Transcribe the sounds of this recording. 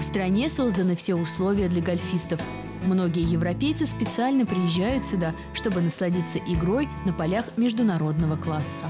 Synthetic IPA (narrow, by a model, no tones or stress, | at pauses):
fst̪ɾɐnʲe̞so̞zd̪ənɨfsʲeʊslˠo̞vʲɪjəd̪lʲɐɡɐlʲfʲist̪əf | mno̞ɡʲɪjəjɪvɾɐpʲejt̪sɨspʲɪt̪sɨalʲnəpɾʲɪjɪʑːæjʊt̪sʲʊd̪a | ʂt̪o̞bɨnəslˠɐdʲit̪səʔɪɡɾo̞jnəpɐlʲaxmʲɪʐd̪ʊnɐɾo̞d̪nəvəklˠasːə